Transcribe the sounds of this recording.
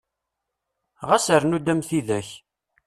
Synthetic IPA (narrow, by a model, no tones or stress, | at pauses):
ʁæsəɾnud̪æmθiðæç